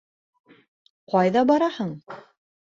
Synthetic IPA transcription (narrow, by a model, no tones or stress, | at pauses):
qɑjðɑbɑɾɑhɤɴ